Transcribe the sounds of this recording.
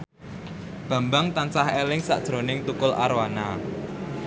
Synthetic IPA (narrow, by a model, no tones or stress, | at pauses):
b̥ä̤mbaŋt̪ant͡ʃahelɪŋsa̰ʔd̥ʒ̥ɾo̤nɪŋt̪ukʊlʔa̰ɾwana